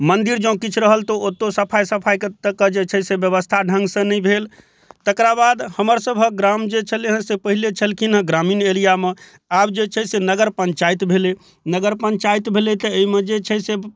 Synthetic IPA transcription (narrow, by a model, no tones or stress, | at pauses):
mənd̪iɾd͡ʒə̃kit͡ʃʰɾəɦəlt̪ɔot̪ːosəpʰajsəpʰajkt̪əkːəd͡ʒet͡ʃʰɛsebjəβəst̪ʰaɖʱə̃ŋɡsə̃nəibʱel | t̪əkɾabad̪həməɾsəbʱək̚ɡɾamd͡ʒet͡ʃʰəleɦə̃sepəɦilet͡ʃʰəlkʰinɦə̃ɡɾaminelijame | abd͡ʒet͡ʃʰɛsenəɡəɾpə̃nt͡ʃajt̪bʱele | nəɡəɾpə̃ɲt͡ʃajt̪bʱelet̪ɔemed͡ʒet͡ʃʰɛse